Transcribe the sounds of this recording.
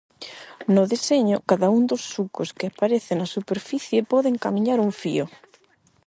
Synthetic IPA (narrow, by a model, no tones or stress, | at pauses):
nʊðeseɲokaðaund̪osːukoskeapaɾeθɪnasupeɾfiθjepɔðeŋkamĩɲaɾuɱfḭo